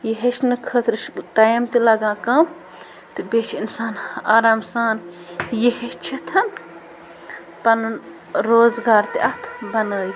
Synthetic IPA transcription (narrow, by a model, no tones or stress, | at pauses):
jeɦet͡ʃnɨkʰət̪ɾʈaːjmt̪ilɐɡãːkɐm | t̪ɨbeːt͡ʃʰinsaːnaːɾaːmsaːn | jehet͡ʃʰit̪ʰɐn | pɐn | ɾoːzɡaːɾt̪iʔɐt̪ʰbɐnəːj